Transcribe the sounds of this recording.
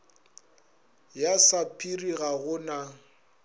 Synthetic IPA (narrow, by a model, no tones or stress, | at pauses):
jasapʼʰiriɣaɣʊna